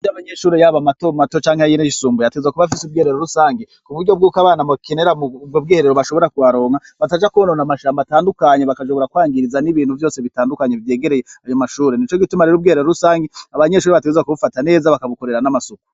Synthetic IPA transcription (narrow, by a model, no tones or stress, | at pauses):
ijoaβaɲe̞ʃuːɾejaβamatomato̞t͡ʃaːŋhejineʃisuːmbujateɡezwakuβafisub̚ɡeːɾeɾoɾusaːŋɡekuβuɾɟo̞b̚ɡuːkaβaːnamakeneɾamubɡobɡeːheɾeɾoβaʃo̞βo̞ɾakwaɾo̞ːŋa | βatad͡ʒakuononamaʃaːmbataːndukaɲeβakaʃo̞βo̞ɾakwaːŋɡiɾizaniβiːnhuvjo̞ːseβitaːndukaɲevje̞ːɡe̞ɾe̞jeajomaʃuːɾenit͡ʃo̞ɡitumaɾeɾubɡeheɾeɾoɾusaːŋɡeaβaɲe̞ʃ̬uːɾeβat̬eɡezwakuβufatane̞ːzaβakaβuko̞ɾe̞ɾanamasoku̥